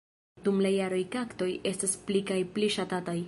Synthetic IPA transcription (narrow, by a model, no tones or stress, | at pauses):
d̥umlajaɾo̞jkakto̞je̞stasplikajpliʃatataj